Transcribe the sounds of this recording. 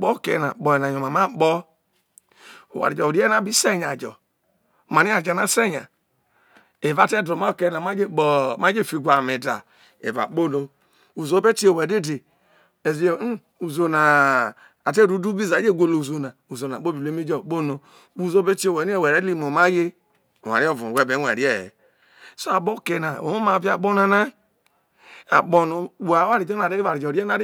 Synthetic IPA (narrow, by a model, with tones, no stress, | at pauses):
bɔ˦˨kɛ̰˧˨na˨ɓɔ˨ɛ˨na˨ɲɔ˨ma˨ma˦ɓɔ˦ | ṵ˨wa̰˨ɾi˨d͡ʒɔ˨u˨di˦ɛ˦na˦bi˦sɛ˦˨ɲa˨d͡ʒɔ̰˨ | ma˨ni˦a˦˨d͡ʒa˨na˨sɛ˦˨ɲa̰˨ | e˨va˨˦˨tɛ˦dɔ˨ma˦˨kɛ˦˧˨na˨ma˦d͡ʒe˦˨ɓɔ˨ma˦d͡ʒe˦˨fi˨˧˨ɡʷa˨me˨da̰˨ | ḛ˨va̰˨k͡po˦˨no˨ | u˨zo˦be˦ti˦o˨wɛ˨de˦˨de˨ | e˨ze˨˦ | u˨zo˨na˨ | a˨te˦˨ɾu˨˦du˦bi˦za˨˦d͡ʒe˦˨ɡʷo˨lo˨u˨zo˨na˨u˨zo˨na̰˨ɓo˦bi˨e˦mi˦d͡ʒɔ˦˨k͡po˦no˨ | u˨zo˦be˦t͡ʃi˦o˨wɛ˨˦ni˦e˦˨wɛ˨ɾe˦i˦mo˨ma˦je˦˨ | wa̰˨ɾɔ˦˨vu˨wɛ˦be˨˦ɛ̰˨ɾi˦ɛ̰˦˨ | so˦a˨bo˦˨ke˨na˨o̰˨˦o˦ma˨vi˦a˨bɔ˦na˨na˦ | a̰˨k͡po˨no˨˦wwa˦ɾi˨d͡ʒɔ˦na˨ɾe˦a˨ɾi˨d͡ʒɔ˨ɾɛ˦na˦ɾ